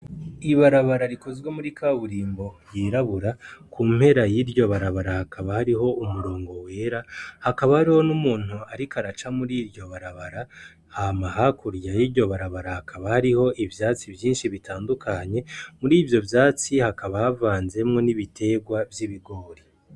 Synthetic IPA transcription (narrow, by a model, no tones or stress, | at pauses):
iβaɾaβaɾaɾiko̞zɡwe̞muɾikʰaβuɾiːmbo̞jiːɾaβuɾakʰuːmhe̞ɾajiɾɟo̞βaɾaβaɾahakaβahaɾiɦo̞umuɾo̞ːŋɡo̞we̞ɾahakaβahaɾiho̞numuːn̥huaɾikʰaɾat͡ʃamuɾiːɾjo̞βaɾaβaɾa | hamaɦakʰuɾjajiɾɟo̞βaɾaβaɾahakʰaβahaɾiho̞ʔivjaːt͡sivjiːnʃiβitaːndukʰaɲe̞muɾiːvjo̞vjaːt͡sihakaβahavaːnze̞mŋo̞niβitʰe̞ɡwavjiβiɡo̞ːɾi